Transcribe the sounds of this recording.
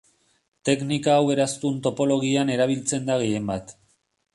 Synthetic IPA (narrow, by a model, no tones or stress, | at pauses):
t̪e̞knikaːwe̞ɾast̪unt̪o̞po̞lo̞ɣ̞iane̞ɾaβ̞ilt͡se̞nd̪aɣ̞eje̞mbat̪